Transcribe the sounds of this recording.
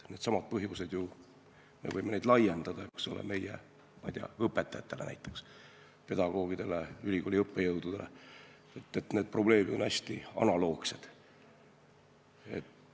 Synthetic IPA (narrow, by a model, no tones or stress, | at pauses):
ne̞ːd̪sɑmɑd̪̚pɤɦjused̪̥ju | me̞vɤjmened̪lɑje̞nd̪̥ɑd̪̥ɑeksolḛme̞jḛ | mɑ̰jd̪̥iɑ̰ɤpːˑe̞t̪ːˑɑjɑt̪ːˑe̞lʔenæ̰jt̪ːˑe̞ks | pe̞d̪̥ɑɡ̥o̞ːɡid̪̥e̞leylʲiɡolʲiɤpːejɤwd̪̥ud̪̥ele̞̰ | et̪ːet̪ne̞ːd̪̚pro̞ble̞ːmid̪o̞næsʲt̪iɑ̰nɑlo̞ːkse̞d̪̥ | e̞̰t̪